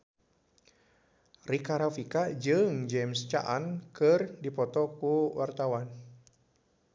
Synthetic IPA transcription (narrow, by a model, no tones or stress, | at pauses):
rikaɾafikad͡ʒɨŋd͡ʒɛmst͡ʃa̰ʔankɨrdipɔt̪ɔkuwart̪awan